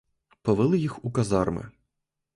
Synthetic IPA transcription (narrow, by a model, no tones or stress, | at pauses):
pɔʋɪlˠɪjixukɐzɑrmɪ̰